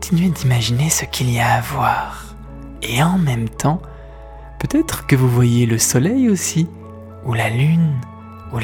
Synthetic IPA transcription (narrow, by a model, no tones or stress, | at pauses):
t̪ʰinɥed̪imaʒinesəkʲʰiliaːvwaːʁ | eɑ̃mɛmt̪ʰɑ̃ | pøt̪ɛt̪χəkəvuvwajeləsɔlɛjosi | ulalyn | u